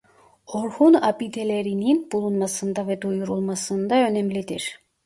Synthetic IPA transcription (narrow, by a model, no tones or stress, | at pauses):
oɾhunɑpit̪eleɾininb̥ulˠunmɑsɯnd̪ɑved̪ujuɾulˠmɑsɯnd̪ɑønemlid̪iɾ